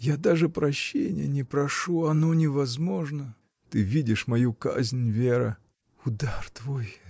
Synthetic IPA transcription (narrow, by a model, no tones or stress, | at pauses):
jad̪aʐɨpɾɐɕːḛnʲɪ̰jənʲɪpɾɐʂuɐnonʲɪvɐzmo̞ʐnə | t̪ɨvʲidʲɪʂmɐjuka̰zʲnʲvʲeɾɨ̰ | ʊd̪art̪voj